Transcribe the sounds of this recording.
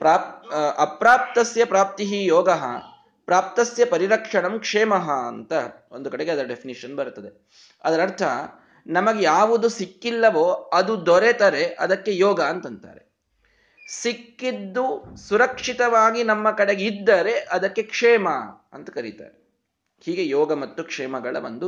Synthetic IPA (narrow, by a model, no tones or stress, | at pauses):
pɾaːɐpɾaːp̚t̪ɐsjɐpɾaːp̚t̪iɦijɔːɡɐɦɐ̰ | pɾaːp̚t̪ɐsjɐpɐɾiɾɐkʂɐɳɐmkʂeːmɐɦɐ̰ːnt̪ɐ | ond̪ukɐɽeɡeɐd̪ɐɾɐɖepʰiniʂɐnbɐɾt̪ɐd̪e̞ | ɐd̪ɐɾɐɾt̪ʰɐɦɐ | nɐmɐɡejaːʋud̪usikːilːɐʋoːɐd̪ud̪ɔɾet̪ɐɾe̞ʔɐd̪ɐkːe̞jɔːɡɐːnt̪ɐnt̪a̰ːɾe̞̰ | sikːid̪ːusuɾɐkʂit̪ɐʋaːɡinɐmːɐkɐɽe̞ɡeid̪ːɐɾe̞ʔɐd̪ɐkːe̞kʂɛːmɐ | ɐ̰nt̪ɐ̥kɐɾit̪a̰ːɾe | hiːɡe̞jɔːɡɐmɐt̪ːukʂɛːmɐɡɐɭɐ̰bɐnd̪u